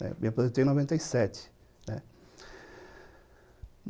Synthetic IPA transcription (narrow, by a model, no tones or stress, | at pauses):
nɛ̰mĩɐpɾozẽt̪ej̃ĩnovẽnt̪ɐjsɛt͡ʃɪ̥ | nɛ | m